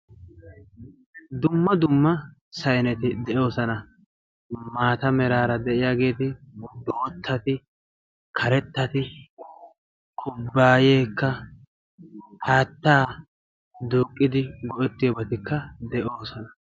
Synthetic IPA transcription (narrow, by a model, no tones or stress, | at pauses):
d̪ʊmːɐd̪ʊmːɐ | sɐjnɛt̪ɪd̪ɛʔo̞ːsɐnɐ | maːt̪ɐmɛɾaːɾɐd̪ɛʔɪjaːɡe̞ːt̪ɪboːɔt̪ʰːɐt̪ɪ | kʰɐɾɛt̪ːɐt̪ɪ | kʰʊbːaːje̞ːkːɐ | haːt̪ːaː | d̪uːkʼːɪd̪ɪɡɔʔɛt̪ːɪjɔbɐt̪ɪkːɐd̪ɛʔo̞ːsɔnɐ